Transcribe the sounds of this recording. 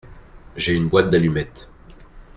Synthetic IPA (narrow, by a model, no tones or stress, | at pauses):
ʒeynbwat̪̚d̪alymɛt̪